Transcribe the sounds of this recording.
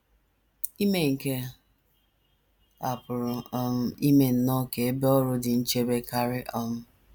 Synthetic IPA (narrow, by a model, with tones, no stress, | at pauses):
i˦me˦ŋ̩˨ke˦ | a˨pʊ˨ɾʊ˨ɔ˦m̩˦i˦me˦n̩˦nɔ˦ke˨e˦be˦ɔ˦ɾʊ˦dɪ˨n̩˦t͡ʃe˦be˦ka˦ɾɪ˦ʔɔ˦m̩˦